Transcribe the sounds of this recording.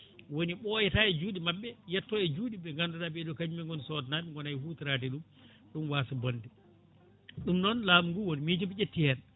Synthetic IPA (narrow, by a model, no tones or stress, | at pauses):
woniɓɔjɛtaɛd͡ʒuːɗimaɓːɛjɛtːɔɛd͡ʒuːɗibɛŋɡandudabɛɗɔkad͡ʒimɛŋɡɔnsɔtnaːmiŋɡɔnajhutiɾaːt̬ɛɗum | ɗumwaːsabondɛ | ɗumnɔnlaːmuŋɡuwonimid͡ʒɔbit͡ʃetːihɛn